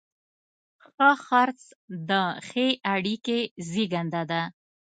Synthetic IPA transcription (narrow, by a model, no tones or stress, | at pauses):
xəxaɾt͡sd̪əxeʔaɽikeziɡand̪ad̪a